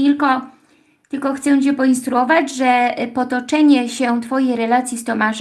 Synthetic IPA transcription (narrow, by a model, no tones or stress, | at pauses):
ilkɔ | t̪ɘlkɔxt̪sɛ̃t͡ɕɛpɔinst̪ɾuɔvad͡ʑʐɛpɔt̪ɔt͡ʂɛɲɛɕɛt̪fɔjɛjɾɛlat̪sʲjist̪ɔmaʐ